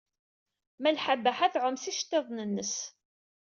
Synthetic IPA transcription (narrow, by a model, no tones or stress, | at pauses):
mælħabːæħaθʕʊmsiʃt̪ːeðˤnənːəs